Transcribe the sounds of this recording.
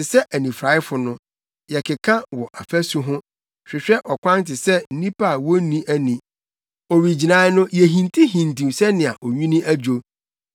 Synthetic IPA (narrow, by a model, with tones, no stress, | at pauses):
ɪ˨sɛ˦ʔæ˨nĩ˨fɾa˨˦ɪ˦fʊ˨nʊ̃˦ | jɛ˨kʰɪ˨kʰã˦wɔ˨ʔa˨fæ˦su˨ɦʊ̃˦ | ɕᶣɪ˨ɕᶣɛ˦ʔɔ˨kʷã˦n˦tʰɪ˨sɛ˦n̩˦nĩ˦pʰa˦˨wɔ˦nĩ˦ʔæ˦nĩ˨ | ɔ˨ɾi˨d͡ʑi˨nã˨˦nʊ̃˦jɛ˨ɦĩ˨ntʰi˦ɦĩ˨ntʰĩ˨sɛ˦nɪ̃˨a˨ʔɔ˨ɲᶣĩ˦nĩ˦æ˦d͡ʑᶣo˨